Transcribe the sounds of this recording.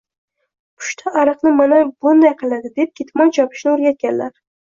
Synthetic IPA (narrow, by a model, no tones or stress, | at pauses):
pʰʊ̥ʃt̪ʰaʔaɾɨqnɪmanabʊnd̪ajqʰɨlˠad̪ɪd̪e̞p̚kʲʰet̪majt͡ʃʰɒpʰɪ̥ʃnɪoɾɡʲat̪̚kʲanlaɾ